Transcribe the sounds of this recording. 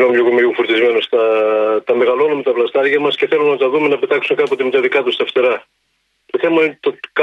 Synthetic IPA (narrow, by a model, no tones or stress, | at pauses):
nomʎokumeʝufuɾt̪izmenost̪ɐt̪ɐme̞ɣɐlonɐmet̪ɐplɐst̪ɐɾʝɐmɐsce̞θelunɐt̪ɐðume̞nɐpe̞t̪ɐksumekɐput̪emet̪ɐðikɐt̪ust̪ɐft̪eɾɐ | t̪oθemɐint̪ok